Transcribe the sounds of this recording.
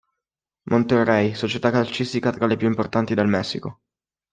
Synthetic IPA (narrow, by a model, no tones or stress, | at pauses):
mʔont̪erːɛjsot͡ʃet̪akːalt͡ʃist̪ikat̪ɾalepjuimport̪ant̪id̪elmɛsːiko